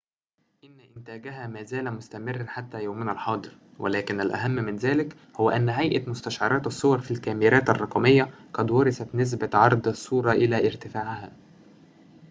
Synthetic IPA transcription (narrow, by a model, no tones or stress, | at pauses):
ʔ | ʔɪnːæʔɪnt̪æːɡæɦæːmæːzæːlæmʊst̪æmɪrːħat̪ːæːjawmɪnælħɑːd̪ˤɨɾ | wʔælæːkɪnælʔæ̰ɦæmːmɪnzæːlɪk | hʊwːæʔænːɦæjʔæmʊst̪æʃʕɑɾˤɑːt̪ɑsˤːowɑɾˤfilkæːmiɾæːt̪ɑrˤːɑqɑmɪjːæqɑd̪wɑɾˤɑsæt̪nɪs̬bæʕɑɾˤd̪ˤɑsˤːuːɾˤɑʔɪlæːʔɪɾt̪ɪfaːʕhæː